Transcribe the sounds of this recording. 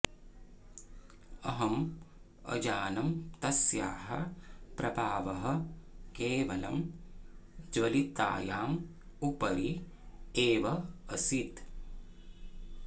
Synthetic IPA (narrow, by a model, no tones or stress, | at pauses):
ɐɦɐm | ɐ̰d͡ʒaːnɐmt̪ɐsjaːɦɐ̰pɾɐbʱaːʋɐɦɐ̆keːʋɐlɐ̰m | d͡ʒʋɐlit̪a̰ːjaːm | upɐɾi | eːʋɐɐsit̪